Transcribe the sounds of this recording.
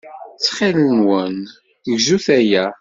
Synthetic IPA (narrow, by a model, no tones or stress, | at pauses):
t͡sːχɪlənwən | ʝzuθæjæ